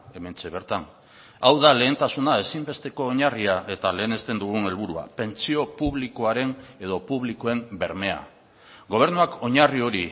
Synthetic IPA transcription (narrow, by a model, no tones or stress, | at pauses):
e̞me̞nt͡se̞β̞e̞ɾt̪an | awðale̞ːnt̪asunae̞simbe̞st̪e̞ko̞ːɲariaʔe̞t̪ale̞ːne̞st̪e̞nd̪uɣ̞une̞lβuɾua̰pe̞nt͡sio̞puβlikoaɾe̞ne̞ð̞o̞puβlikoe̞mbe̞ɾme̞a̰ | ɡo̞β̞e̞ɾnuako̞ɲario̞ɾi